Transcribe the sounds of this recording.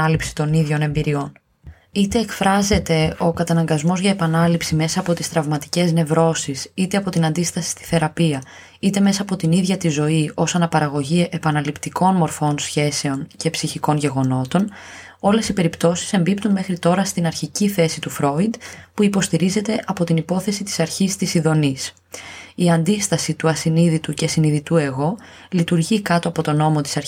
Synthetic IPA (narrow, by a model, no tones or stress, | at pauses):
ɐlipsi̥t̪o̞niðʝo̞ne̞mbiɾio̞n | it̪e̞ːkfɾɐze̞t̪e̞o̞kɐt̪ɐnɐŋɡɐzmo̞zʝɐepɐnɐlipsime̞sɐːpo̞t̪i̥st̪ɾɐvmɐt̪i̥ce̞zne̞vɾo̞sisit̪e̞ɐpo̞t̪inɐnd̪ist̪ɐsi̥st̪i̥θe̞ɾɐpiɐ | it̪e̞me̞sɐːpo̞t̪iniðʝɐt̪izo̞iʔo̞sɐnɐpɐɾɐɣo̞ʝieʔepɐnɐlipt̪iko̞nmo̞ɾfo̞nsçe̞se̞o̞nce̞psiçiko̞nʝe̞ɣo̞no̞t̪o̞n | o̞le̞sipe̞ɾipt̪o̞si̥se̞mbipt̪unme̞xɾit̪o̞ɾɐst̪inɐɾçiciθe̞sit̪ufɾo̞id̪puipo̞st̪iɾize̞t̪e̞ʔɐpo̞t̪inipo̞θe̞sit̪i̥sɐɾçist̪isiðo̞nis | iɐnd̪ist̪ɐsit̪uɐsiniðit̪uce̞siniðit̪ue̞ɣo̞ | lit̪uɾʝikɐt̪o̞ɐpo̞t̪o̞no̞mot̪i̥sɐɾ